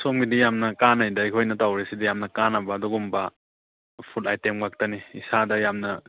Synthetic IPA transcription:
sɔmɡidijamnɐkanajdajkʰojnɐtawɾesidijamnɐkanabɐːduɡumbɐ | pʰutajtemɡak̚tɐniisadɐjamnɐ

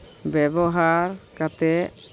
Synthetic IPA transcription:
bɛbɔɦaɾkat̪ɛ

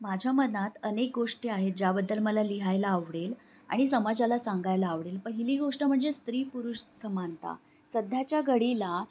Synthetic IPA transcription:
mad͡ʑʱjamənat̪ənek̚ɡoʂʈeaɦet̪̚d͡ʑabəd̪ːəlməlaliɦajlaːʋɽel | a̰ɽ̃isəmad͡ʑalasaŋɡajlaːʋɽelpəɦiliːɡoʂʈəm̤əɳd͡zest̪ɾiːpuɾuʂsəmant̪a̰ | səd̪ʱjat͡ɕjaɡəɽila

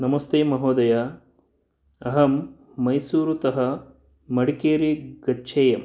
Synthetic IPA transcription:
nɐmɐst̪eːmɐɦoːd̪ɐja | ɐɦɐmː | ɐjsuːɾut̪ɐɦɐ | mɐɽikeːɾiɡɐtːʃʰeːjɐm

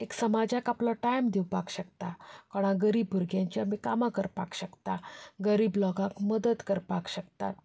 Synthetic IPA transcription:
eksəmad͡ʑakaplɔʈajmd̪iwpakɕəkt̪akɔɽ̃ãɡəɾiːbʱuɾɡjãɲt͡ɕjamikamakəɾpa̰kɕəkt̪aɡəɾiːblɔɡãkməd̪ət̪kəɾpakɕəkt̪a̰t̪

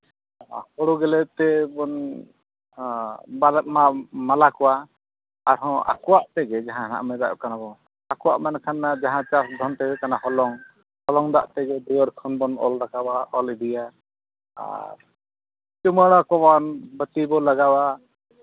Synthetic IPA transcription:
hɔɽuɡɛlɛt̪ɛbɔn | balmamalakɔwa | aɾɦɔ̃a̰kɔwaʔt̪ɛɡɛd͡ʒaɦãna̰ʔmɛd̪akanabɔ | akɔwa̰ʔmankʰanːad͡ʒaɦãt͡ʃasd̪ʱɔnt̪ɛbɛkanahɔlɔŋ | hɔlɔŋd̪a̰ʔt̪ɛɡɛd̪uəɾkʰɔnbɔnɔ̰lɾakabaɔlid̪ija | a̰ɾ | t͡ʃuməɽ̃ɔkɔbanbət̪ibɔlaɡawa

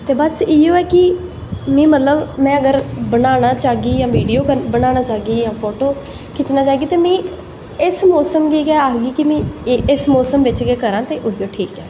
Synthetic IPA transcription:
t̪eːbəsiːjoːɛːkɪ | mĩːmət̪ləbmɛ̃ːəɡəɾbənaːñaːt͡ʃaːɡiːjãːʋiːɖijoːkəɾbənaːnaːt͡ʃaːɡiːjãːpʰoːʈoː | kʰɪt͡ʃnaːt͡ʃaːeːɡiːt̪eːmĩː | ɪsmɔːsəmɡiːkɛːaːkɡiːkimĩːɪsmɔːsəmʋɪt͡ʃɡeːkəɾãːt̪eːʔʊɦiːoːʈʰiːkɛː

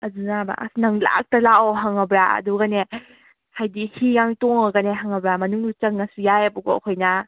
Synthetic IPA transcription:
ɐzunaba̰ʔa̰snaŋla̰k̚talawɦaŋabɾaɐ̰duɡane | hajdihijaŋtɔŋaɡaneɦaŋɐbɾamɐnuŋdut͡ʃɐŋ̚nːasujajabuɡɔ̰kʰojna

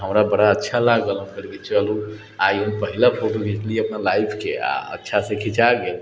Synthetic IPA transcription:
ɦəmɾabəɽaətːʃʰalaɡələmkəɾket͡ʃəlũ | aiɦənpəɦilapʰoʈubʱet͡ʃliəpnalaipʰkḛa̰ə̰tːʃʰasẽkʰit͡ʃaɡel

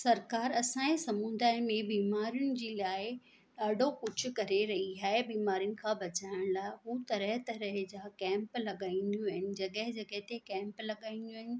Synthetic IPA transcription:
sɐɾkaːɾɐsãːẽsɐmũːnd̪aːɪmẽbiːmaːɾijʊnɪ̆d͡ʑiːlaːɪ | ɗaːɖʱokʊd͡ʑʰʱʊ̆kɐɾeɾɐɦiaːɦebiːmaːɾijʊnɪ̆kʰãːbɐt͡ɕaːɪɽ̃laːɪɦuːt̪ɐɾəɦt̪ɐɾəɦd͡ʑaːkɛ̃ːmplɐɠaːĩːn̆d̪jũaɦɪnɪ̆d͡ʑɐɠəɦɪ̃d͡ʑɐɡəɦɪt̪ekɛ̃ːmplɐɠaːĩːnd̪jũːɦɪnɪ̆

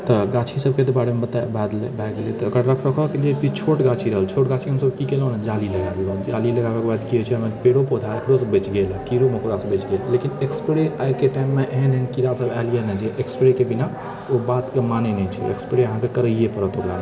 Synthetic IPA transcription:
t̪ɔɡat͡ʃʰisəb̚ket̪ɔbaɽemebət̪abʱad̪lbʱaɡelet̪ɔːɡəɾɾəkʰɾəkʰɔkeliekit͡ʃʰoʈɡat͡ʃʰiɾəɦəlt͡ʃʰoʈɡat͡ʃʰiɦəmsəbkikelɦnad͡ʒaliləɡabeɡɔɦnt͡ʃid͡ʒaliləɡabakebad̪kiɦot͡ʃʰiəmepeɽopod̪ʱaɾəpɾosəbet͡ʃɡelkiɾoməkɾasəbet͡ʃɡellekinekspɾeajkeʈajmːeʔeɦnɦenkiɾasəbalijenəd͡ʒeʔekspɾekebina | obat̪kemanenɛt͡ʃʰio̰ḛkspɾeəɦãkekəɾəijepəɾət̪okɾa̰

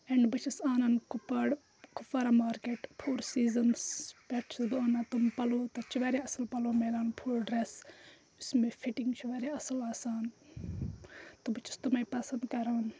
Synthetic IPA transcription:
ɛɳɖbɨt͡ʃʰɐsaːnɐnkupɐɽ | kufɐɾamaːɾkeːʈpʰuːɾsiːzɐnspeʈʰsbɨonat̪umpɐloːt̪ɐt͡ʃʰuʋɐɾeɐsɐlpɐloːmelaːnpʰuːɾɖɾes | ʊsmẽfʰiʈiŋɡt͡ʃʰuʋɐːɾeɐsɐlaːsaːn | t̪ubɨt͡ʃʰi̥st̪umaipɐsɐnd̪kɐɾan

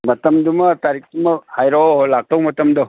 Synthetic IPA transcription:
mɐt̪ɐmd̪umɐt̪aɾik̚ʰd̪umɐhajɾɔlak̚towmɐtɐmd̪ɔ

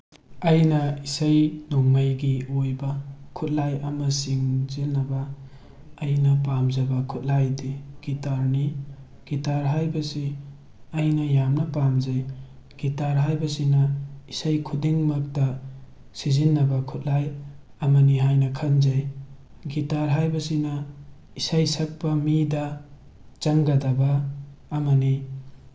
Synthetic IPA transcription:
ɐjnɐisɐjnuŋmɐjɡiojbɐkʰut̚lajɐmɐsiŋzinːɐbɐː | jnɐp̬amzɐbɐkʰut̚lajdiɡ̥itaɾni | ɡ̥itaɾɦajbɐsi | ɐjnɐjamnɐpamzɐj | ɡ̥itaɾɦajbɐsinɐisajkʰudiŋmɐk̚dɐ | sizinːɐbɐkʰut̚laj | ɐmɐniɦajnɐkʰɐnzaj | ɡitaɾɦajbɐsinɐ | isajsɐk̚pɐmidɐ | t͡ʃɐŋɡɐdɐbɐːmɐni

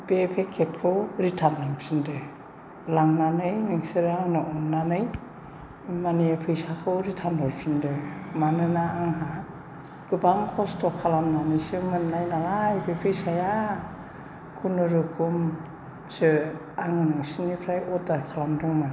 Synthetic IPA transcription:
b̥epʰekʰet̚kʰɯwɾitʰanlaŋpsindɯ | laŋnanɯjnɯŋsɯɾaŋnɯʔɔnːanɯj | maniepʰɯjsakʰɯwɾitʰanlɔlpʰindɯmanɯnaːŋɦa | ɡ̥ɯbaŋkʰɔstɔkʰalamnanɯjsɯmɯnnajnalajbepʰɯjsaja | kʰunɯɾɯkʰum | sɯ | aŋɯnɯŋsinipʰɾajɔdakʰalamdɔŋna

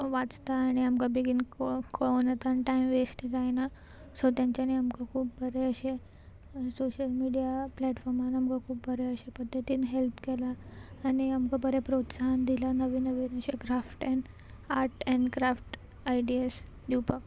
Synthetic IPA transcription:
ʋat͡st̪aːɽ̃iamkabiɡinkkoɭonat̪anʈaimʋesʈd͡zajna | sot̪jaɲt͡ɕaneamkakʰuːpbʱəɾeəɕe | soɕəlmiɽijaplɛʈfɔɾmanamkakʰuːp̚bʱəɾeəɕepəd̪ʱːət̪iːnɦelpkɛlaːɽ̃iamkabəɾepɾot̪sand̪ilanəʋiːnəʋiːnəɕekɾafʈɛ̃ɳ | aɾʈɛ̃ɳɖkɾafʈ | ajɖies | d̪iwpək

